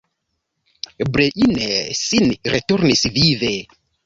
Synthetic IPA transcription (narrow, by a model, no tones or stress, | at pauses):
bɾeʔinesinɾetuɾnisvive